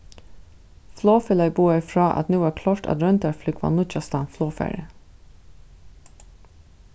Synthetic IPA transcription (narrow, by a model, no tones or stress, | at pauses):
floːfɪlɑɪbuːɛfɹɑːʔɑ̰t̪nuːæːkʰlɔːɹʈɑ̰d̪ɾœnt̪əɹflʏɡʋɑ̰nʊt͡ʃast̪ɑnfloːfæ̰ːɹə̰